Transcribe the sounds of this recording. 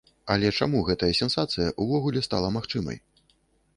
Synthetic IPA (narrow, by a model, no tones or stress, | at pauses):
ɐlʲɛt͡ʂamuɣɛt̪ɐjɐsʲɛnsat̪sɨjɐʔuvɔɣulʲɛst̪a̰lˠɐmaxt͡ʂɨmɐ̰j